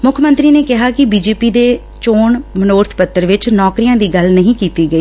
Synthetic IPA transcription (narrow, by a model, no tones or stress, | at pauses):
mʊkʰmə̃nt̪ɾiːneːkɪɦaːkɪbiːd͡ʒeːpiːd̪eː | t͡ʃoːɳmənoːɾt̪ʰpət̪ːəɾʋɪt͡ʃnɔːkɾijãːd̪iːɡəlnəɦĩːkiːt̪iːɡəiː